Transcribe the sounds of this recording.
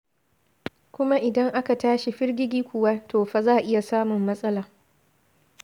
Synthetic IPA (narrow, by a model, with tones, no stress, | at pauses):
kʷʊ˦ma˦ʔɪ˨dɐ˦ŋʔa˦ka˨taː˦ʃi˨ɸɪ˦rɡʲɪ˦ɡʲiː˦kʷʊ˨waː˦tʰoː˨ɸa˨zaː˦˨ʔɪ˦ja˨saː˦mʊ˨mːɐ˦sʼɐ˦laː˨